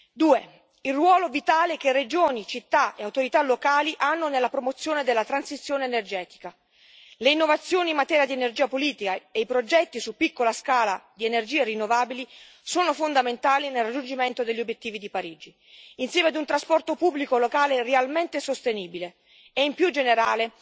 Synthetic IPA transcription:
d̪uːe | ilrːwɔːlovit̪aːlek̟ered͡ʒoːnit͡ʃit̪ːaʔeawt̪oɾit̪alokaːliʔanːonelːapɾomot̪sːjoːned̪elːat̪ɾansit̪sːjoːneːnerd͡ʒɛːt̪i̥ka | leinːovat̪sːjoːnimːat̪ɛːɾjad̪ienerd͡ʒiːapoliːt̪ikaeipɾod͡ʒɛt̪ːisupːikːolaskaːlad̪ienerd͡ʒiːerinːovaːbili | soːnofond̪ament̪aːlinelrad͡ʒːund͡ʒiment̪od̪eʎːiobjet̪ːiːvid̪ipaɾiːd͡ʒi | insjɛːmead̪unt̪ɾaspɔrt̪opubːlikolokaːlerealment̪esost̪eniːbile | ɛimpjud͡ʒeneɾaːle

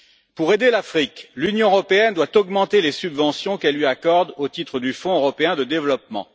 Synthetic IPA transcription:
puʁed̪elafχiklynjɔ̃øʁɔpeɛnd̪wat̪ɔɡmɑ̃t̪elesybvɑ̃sjɔ̃kɛlːɥiakɔʁd̪ot̪it̪χəd̪yfɔ̃øʁɔpeɛ̃d̪əd̪evlɔpmɑ̰̃

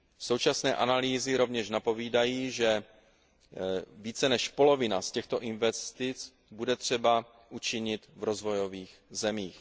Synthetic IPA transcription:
so̞wt͡ʃasnɛːʔanaliːzɪɾo̞vɲɛʃnapo̞viːdajiːʒɛ | viːt͡sɛnɛʃpo̞lo̞vɪnascɛxt̪o̞ʔɪnvɛst̪ɪt͡s | budɛt̪r̝̥ɛba | ʔut͡ʃɪɲɪt̪vɾo̞zvo̞jo̞viːxzɛmiːx

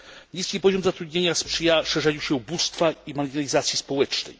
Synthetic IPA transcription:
ɲiskʲipɔʑɔmzat̪ɾud̪̚ɲeɲaspʂɘjaʂɛʐaɲiwɕɛubust̪faimaɾɡʲinalʲizat̪sʲjispɔwɛt͡ʂnɛ̰j

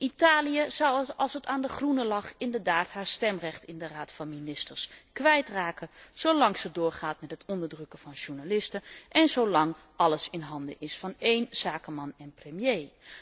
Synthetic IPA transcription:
ʔitaːlijəzɑwəɑlˠsətaːndəχrunəlɑχɪndəɹdaːthaːɹstɛmrɛxtɪndəraːtfɑnminɪstəɹskʋɛjtraːkəz̥owlɑŋsədʊːɹχaːtmɛtɦətʰɔndəɹdrøkəfɑnʒuɹnalɪstəʔɛnzowlɑŋ | ʔɑləsɪnɦɑndə̰ʔɪsfɑnejnsaːkəmɑnɛnprəmjeː

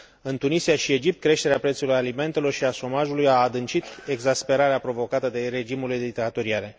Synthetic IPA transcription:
ɨnt̪unisiaʃie̞d͡ʒipt̪̚kɾe̞ʃt̪e̞ɾeapɾe̞t̪sulujalime̞nt̪e̞lo̞rʃiaʃo̞maʒulujaːd̪ɨnt͡ʃit̪e̞ɡzaspe̞ɾaɾeapɾo̞vo̞kat̪əd̪e̞ɾe̞d͡ʒimuled̪it̪at̪oɾiaɾe̞

